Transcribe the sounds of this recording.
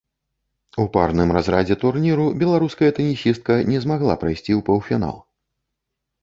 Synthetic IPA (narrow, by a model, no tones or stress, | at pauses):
uparnɨmrazɾad͡zʲɛt̪urnʲiɾubʲɛlˠaɾuskɐjɐt̪ɐnʲisʲist̪̚kɐnʲɛzmaɣlˠa̰pɾajsʲt͡sʲiwpɐwfʲina̰lˠ